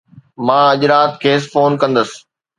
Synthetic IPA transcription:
mãːɐʄɾaːt̪kʰeːs̬foːnkɐ̃nd̪əsɪ̥

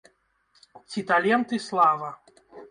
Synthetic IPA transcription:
t͡sʲit̪alʲɛnt̪ɨslˠavɐ

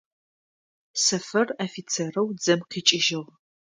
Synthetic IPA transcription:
sɐfɐrɐfit͡sʰerɐwd͡zɐmqʰiːt͡ʃʼɪʒɪʁ

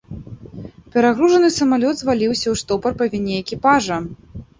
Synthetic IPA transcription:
pʲɛɾaɣɾuʐɐnɨsɐmalʲɔd̪zvalʲiwsʲɐwʂt̪ɔpɐrpɐvʲinʲɛɛkʲipaʐɐ

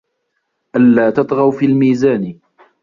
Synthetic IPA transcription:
ʔalːaːt̪ɑt̪ˤɣɑwfiːlmiːzaːn

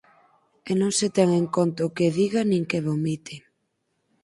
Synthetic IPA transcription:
enõŋset̪ɛŋeŋkont̪aʊkeðiɣanĩŋkeβomit̪ɪ

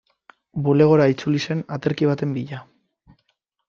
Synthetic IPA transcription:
bule̞ɣ̞o̞ɾait͡sulise̞nat̪e̞ɾkiβ̞at̪e̞mbiʎa

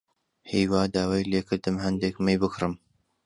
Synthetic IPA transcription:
hijwaːd̪aːwaːjleːkʰɨɾd̪ɨmhɐnd̪ekmɨjbɨkɾɨm

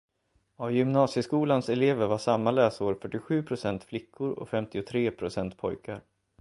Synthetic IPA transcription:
avjʏmnɑːsjəskuːlansɛleːvəɾvaʂamːalɛːsuːɾfœʈːɪɧʉ̟ːpʰɾʊsɛnt̪flɪkʰːʊɾɔ̰fɛmt̪ɪʊt̪ʰɾeːpʰɾʊsɛnt̪pʰɔjkʰaɾ

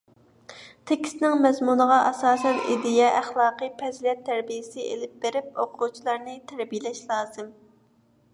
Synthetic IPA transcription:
t̪ʰekʲʰi̥snɪŋmɛzmunəʁɑʔɑsɑːsɛnḭd̪ijɛʔæχlˠɑːqɨpʰɛzlɛt̪ʰːæɾbijɪsɪʔḛlɪp̚beɾɪp̚oqʰut͡ʃʰilˠɑɾnɨt̪ʰæɾbijlɛʃlˠɑːz̥ɨm

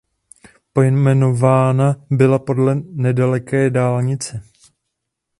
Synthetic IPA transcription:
po̞jmɛno̞vaːnabɪlapo̞dlɛnɛdalɛkɛːdaːlɲɪt͡sɛ

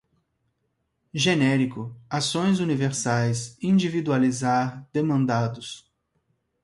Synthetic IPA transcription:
ʒenɛɾikʊasõj̃zuniveɾsajsĩd͡ʒivid̪ualizaɾd̪̥emɐ̃nd̪ad̪ʊs

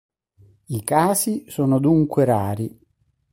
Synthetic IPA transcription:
ikaːsisoːnʊd̪uŋkwɪɾaːɾi

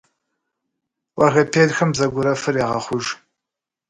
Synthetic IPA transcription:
wʔɑɣɐpʰeːɮxɐmzɐɡʷʊɾɐfɨɾeːʁɐχʷʊʒ

